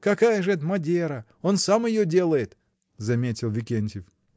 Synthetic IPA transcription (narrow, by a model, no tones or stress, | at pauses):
kɐkajəʐɨɛt̪mɐdʲeɾə | o̞nsamɪjodʲe̞lˠəjɪt̪ | zɐmʲetʲɪlˠvʲɪkʲenʲtʲɪf